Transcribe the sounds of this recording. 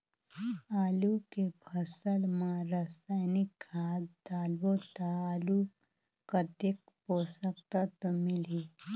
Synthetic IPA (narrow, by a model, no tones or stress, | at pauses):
aːlukebʱʰəsəlmãɾəsaːnɪkːaːt̪d̪aːlwot̪aaːlu | kɐt̪ek | poːsəkt̪at̪ɔmɪliː